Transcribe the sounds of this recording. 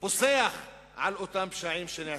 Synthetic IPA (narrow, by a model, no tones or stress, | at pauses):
bosejax | ʕalʔot̪ampʃaʕiːmʃenɪʕ